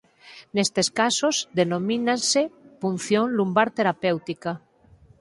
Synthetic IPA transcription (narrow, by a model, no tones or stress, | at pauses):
nest̪eskasozðenõminansepun̟θjoŋlumbaɾt̪eɾapewt̪ika